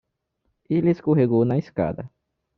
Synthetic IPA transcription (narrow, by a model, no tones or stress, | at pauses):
ilɪskoɦeɡownɐiska̰d̪ɐ